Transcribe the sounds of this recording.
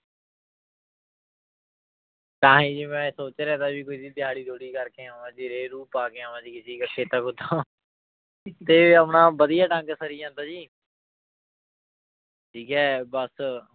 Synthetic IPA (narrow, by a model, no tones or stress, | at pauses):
t̪ãːɦĩːd͡ʒiːmɛ̃ːsoːt͡ʃːɾɛːt̪aːbiːkoiːd̪iːd̪ɪjaːɽiːd̪ʱoːɽiːkəɾkeːaːʋãːd͡ʒiːɾeːɾuːpaːkeːaːʋãːd͡ʒiːkɪsiːkəkʰeːt̪əkʊd̪aː | t̪eːəpnãːbəd̪ɪjaːɖə̃ŋɡsəɾɪjãːt̪aːd͡ʒiː | ʈʰiːkɛːbəs